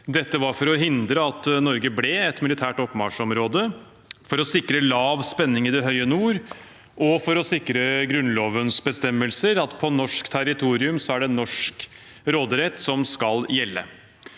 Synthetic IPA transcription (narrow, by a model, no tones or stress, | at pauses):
d̪ɛt̪ːəʋɑɾfɔɾɔɦɪnd̪ɾəɑt̪nɔɾɡəblɛɛt̪mɪlɪt̪ʰæːʈɔpːmɑʂɔmɾoːd̪ə | fɔɾɔsɪkɾəlɑːʋspɛnːɪŋɪd̪ɛɦœʏənuːɾ | ʔɔfɔɾɔsɪkːɾəɡɾʉnloːʋənsbəst̪ɛmːəlsəɾɑt̪pʰɔnɔʂkt̪ʰæɾɪt̪ʰuːɾɪʉmsɔæɖɛnːɔʂk | ɾoːd̪əɾɛt̪ːsɔmskɑljɛlːə̰